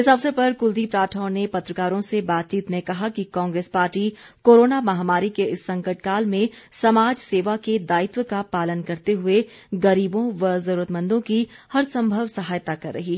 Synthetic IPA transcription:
ɪsəʋsəpɐɾkʊld̪ipɾaːʈʰaonepɐt̪ɾəkaːɾõsebaːt̪̚t͡ʃiːt̪mẽkɐɦakikɔ̃ːŋɡɾeːspaːɾʈi | koːɾoːnamɐɦaːmaːɾikeɪsːɐ̃ŋkəʈ̚kaːlmẽsɐmaːd͡ʒseːʋaked̪aːɪt̪wəkapaːlənkɐɾt̪eɦʊeɡɐɾiːbõʋɐzɐɾuːɾət̪mɐ̃nd̪õkihɐɾsɐ̃mbʱəʋsɐɦaːjət̪akɐɾːɐ̰ɦiː

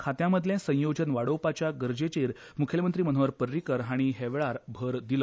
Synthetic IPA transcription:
kʰat̪jãməd̪ʱljẽsə̃j̃jod͡ʑənʋaɽowpat͡ɕjaɡəɾd͡ʑet͡ɕeɾ | mukʰjelemənt̪ɾiːmən̤ɦoʋəɾpəɾːikəɾɦaɽ̃iɦɛʋɭaɾbʱəɾd̪ilə

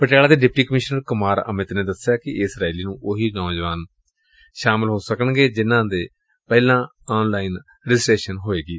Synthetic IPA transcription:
pəʈjaːlaːd̪eːɖɪp̚ʈiːkəmɪʃnəɾkʊmaːɾə̰mɪt̪neːd̪əsjaːkɪɪsɾaːiliːnũːʔʊɦiːnɔːd͡ʒʋaːn | ʃaːmɪlɦoːsəkənɡeːd͡ʒɪnãːd̪eː | pɛːlãː | ɔːnlaːiːn | ɾɪd͡ʒɪsʈeːʃənɦoːeːɡiː

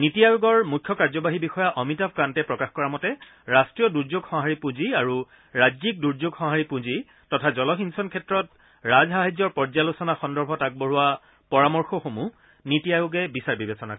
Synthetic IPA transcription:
nitijajʊɡɔɹmukʰːjɔkaɹzɔbaɦibixɔjaʔɔmitap̚kantɛpɹɔkaxkɔɹamɔtɛ | ɹastɹijɔduɹzoɡxɔ̃ɦaɹipũziaɹu | ɹad͡ʒzik̚duɹd͡ʒoɡxɔ̃ɦaɹipũzi | tɔtʰazɔlɔxinsɔnkʰɛtɹɔt̚ | ɹazɦaɦazɔɹpɔɹzalusɔnaxɔndɔɹbʱɔtak̚boɹuwa | pɔɹamɔɹxɔxomu | nitijajʊɡɛbisaɹbibesɔnak

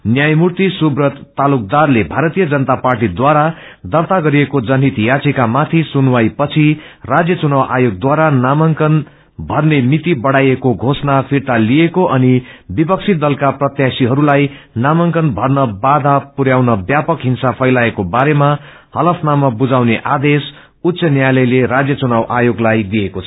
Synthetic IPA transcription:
njajmurt̪isubrʌt̪ːaluk̚d̪arlebʱaɾʌt̪ijʌd͡zʌnʌt̪aparʈid̪waɾad̪ʌrt̪aɡʌɾiekod͡zʌnɦit̪jat͡sekamat̪ʰisunwajpʌt͡sʰirad͡zjʌt͡sunawʔajoɡ̚d̪waɾanamʌŋkʌn | bʱʌrnemit̪ibʌɽajekoɡʱosnapʰirt̪alijekoʔʌnibipʌk̚t͡sʰit̪̚d̪ʌlkaprʌt̪jasiɦʌɾulaj | namʌŋkʌnbʱʌrnʌbad̪ʱapuɾjawnʌbjapʌkɦinsapʰʌjlaekobaɾema | hʌlʌpʰnamʌbud͡zawneʔad̪es | ut̪ːsʌnjajlʌjleɾad͡zjʌt͡sunawʔajoɡlajd̪ijekot͡sʰʌ

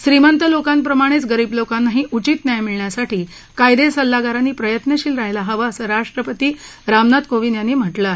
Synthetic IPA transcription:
ɕɾimənt̪əlokampɾəmaɽ̃et͡sɡəɾiːblokanːaɦiːʔut͡ɕit̪njajmiɭɳjasaʈiː | kajd̪esəlːaɡaɾanːiːpɾəjət̪nəɕiːlɾaɦelaɦəʋaːsəɾaʂʈɾəpət̪iːɾamnad̪koʋinjanːiːm̤əʈlae

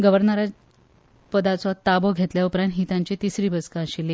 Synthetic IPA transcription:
ɡəʋəɾnəɾa | pəd̪at͡sat̪ːabɔɡʱet̪ljaupɾãnɦit̪ãɲt͡ɕit̪isɾiːbəskãɕili

